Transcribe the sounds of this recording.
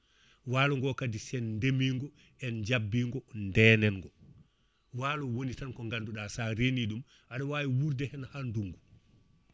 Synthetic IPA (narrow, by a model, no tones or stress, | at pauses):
walɔŋɡɔkadisɛnndemiŋɡɔ | ɛnd͡ʒabːiːŋɡɔndɛːnɛnŋɡɔ | waːlɔwonitankɔŋɡanduɗasaɾeniɗum | ʔaɗɔwawiwuɾdɛhɛnahanduŋɡu